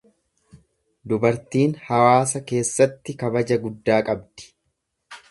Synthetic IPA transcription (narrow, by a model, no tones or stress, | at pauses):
d̪ʊbɐɾt̪iːnhɐwaːs̬ɐke̞ːsːɐt̪ːɪkɐbɐd͡ʒɐɡʊd̪ːaːkʼɐbd̪̥ɪ̥